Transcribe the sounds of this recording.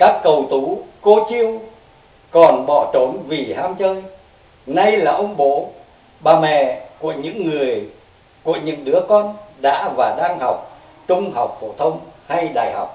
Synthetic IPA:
kaː˦˥kːə˨˩wt̪u˨˦ko˧t͡ɕi˧əw | kɔ˨˩nɓɔ̰˧˩t͡ɕo˨˦nvi˨˩haː˧mt͡ɕəː˧j | na˧jlaː˨˩ʔə˧wŋ͡mɓo˨˦ | ɓaː˨˩mɛ̰˧˨ku˧˩əɲɨ̰˧˥ŋːɨ˨˩əj | ku˧˩əɲɨ̰˧˥ŋɗɨ˨˦əkɔ˧nɗa̰ː˧˥vaː˨˩ɗaː˧ŋha˨˩wk͡p̚ | t͡ɕʊ˧ŋ͡mɦa˨˩wk͡p̚fo˧˩t̪ʰə˧wŋ͡mha˧jɗa̰ː˨˩jha̰˨˩wk͡p̚

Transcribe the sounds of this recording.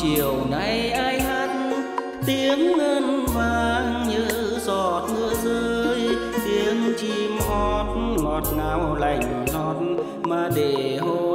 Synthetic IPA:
t͡ɕi˧˨əwna˧˩jʔaː˧jhaː˧˥t̚ | t̪i˧˦əŋːəː˧nvaː˧˩ŋɲɨ˧˥zɔ˧˨˩t̚hɨ˧əzəː˧j | t̪i˨˧˦əmt͡ɕi˧mhɔ˧˩t̚ | ŋɔ˨˩t̚ŋaː˧˦wla˧˩jŋ̟lɔ˧˩t̚ | maː˧˩ɗe˧˩ho˧

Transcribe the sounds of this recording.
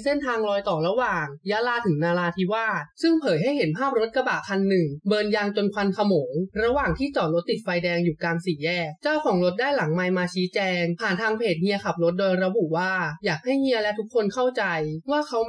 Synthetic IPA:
se˥˩nt̪ʰaː˧ŋlɔː˧jt̪ɔː˨˩ɾa˧waː˨˩ŋjaː˦˥laː˧t̪ʰɯ˩˦ŋnaː˧laː˧t̪ʰi˦˥waː˥˩t̪̚sɯ˥˩ŋpʰɤː˩˦jɦa˥˩jɦe˩˦npʰaː˥˩p̚ɾo˦˥t̪̚ka˧ba̰˨˩kʰa˧nːɯ˨˩ŋbɤː˧nja˧ŋt͡ɕo˧nkʰa˧nkʰa˧moː˩˦ŋɾa˧waː˨˩ŋt̪ʰiː˥˩t͡ɕɔː˨˩lo˦˥t̪ːi˨˩t̪̚fa˧jdɛː˧ŋjuː˨˩kaː˧nsiː˩˦jɛː˥˩k̚t͡ɕaː˥˩wkʰɔː˩˦ŋɾo˦˥t̪̚daː˥˩jla˩˦ŋma˧jmaː˧t͡ɕʰiː˦˥t͡ɕɛː˧ŋpʰaː˨˩nt̪ʰaː˧ŋpʰeː˨˩t̪̚ŋi˧˥ɐkʰa˨˩p̚ɾo˦˥t̪̚doː˧jɾa˧bu˨˩waː˥˩jaː˨˩k̚ha˥˩jŋi˧˥əlɛ˦˥t̪ʰu˦˥kʰːo˧nkʰa˥˩wt͡ɕa˧jwaː˥˩kʰa˨˦˥w

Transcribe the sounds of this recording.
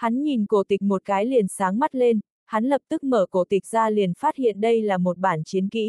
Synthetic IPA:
ha˨˦nɲi˨˩nko˧˩t̪ï˨˩k̟̚mo˨˩t̚kaː˨˦jli˨˩ənsaː˨˦ŋma˦˥t̚le˧n | ha˨˦nlə˨˩p̚t̪ɨ˦˥k̚məː˧˩ko˧˩t̪ï˨˩k̚zaː˧li˨˩ənfaː˦˥t̚hḭ˧˨ənɗə˧jlaː˨˩mo˨˩t̚ɓaː˧˩nt͡ɕi˨˦ənkḭ˧˥

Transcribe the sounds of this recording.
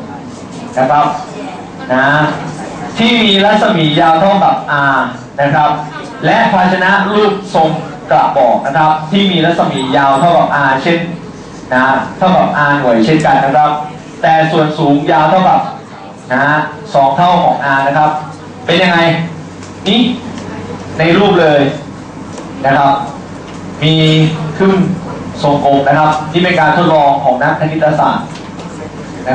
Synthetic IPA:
na˦˥kʰɾa˦˥p̚ | na˦˥ | t̪ʰiː˥˩miː˧ɾa˦˥t̪̚sa˧miː˩˦jaː˧wt̪ʰa˥˩ba˨˩p̚ʔaː˧ | na˦˥kʰɾa˦˥p̚ | lɛ˦˥ʔpʰaː˧t͡ɕʰa˧na˦˥ʔluː˥˩t̪̚so˧ŋ | kla̰˨˩ʔbɔː˨˩k̚na˦˥kʰɾa˦˥p̚t̪ʰiː˥˩miː˧ɾa˦˥t̪̚sa˧miː˩˦jaː˧wt̪ʰa˥˩wka˨˩p̚ʔaː˧t͡ɕʰe˥˩nː | a˦a˥t̪ʰa˥˩ka˨˩p̚ʔaː˧nu˨˩˦jt͡ɕʰe˥˩nka˧nːa˦˥kʰɾa˦˥p̚ | t̪ɛː˨˩su˨˩ənsuː˨˩˦ŋjaː˧wt̪ʰa˥˩wka˨˩p̚ | na˦˥ | sɔː˩˦ŋt̪ʰa˥˩wkʰɔː˩˦ŋʔaː˧na˦˥kʰɾa˦˥p̚ | pe˧nja˧ŋa˧j | niː˥˩ | na˧jɾuː˥˩p̚lɤː˧j | na˦˥kʰɾa˦˥p̚ | miː˧kʰɯ˥˩nso˨˩˦ŋkoː˨˩m̚na˦˥kʰɾa˦˥p̚t̪ʰiː˥˩pe˧nkaː˧nt̪ʰo˦˥t̪̚lɔː˧ŋkʰɔː˩˦ŋna˦˥k̚tʰa˧ni˦˥t̪ːɾa˧sa̰ː˨˩t̪̚ | na˦˥

